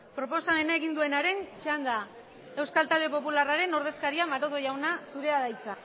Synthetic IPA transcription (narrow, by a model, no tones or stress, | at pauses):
pɾo̞po̞same̞nae̞ɣind̪ue̞naɾe̞nt͡ʃand̪a | e̞wskalt̪ald̪e̞po̞pularaɾe̞no̞ɾð̞e̞skaɾiamaɾoðo̞ʝawnasuɾe̞aðaisa